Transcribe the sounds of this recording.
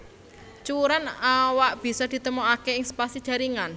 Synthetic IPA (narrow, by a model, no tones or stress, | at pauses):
t͡ʃuɾanawaʔb̥i̤sɔd̪̥i̤t̪əmoakeɪŋsə̥pasid̥ʒ̥a̤ɾiŋan